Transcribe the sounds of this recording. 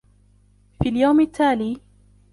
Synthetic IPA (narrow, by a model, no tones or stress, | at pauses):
fiːljawmɪt̪ʰːaːliː